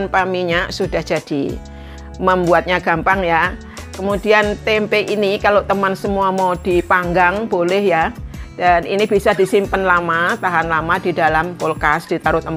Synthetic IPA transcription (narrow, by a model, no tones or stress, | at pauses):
npamiɲaʔsud̥ahd͡ʒ̥ad̥ḭ | məmbuat̪̚ɲaɡ̥ampaŋja | kəmudiant̪eɛmpeʔinikalot̪əmansəmuamawd̥ipaŋɡaŋb̥olɛhjad̥anḭnib̥isadisimpənlamat̪aɦanlamadidalamkolkasd̥it̪aɾʊt̪əm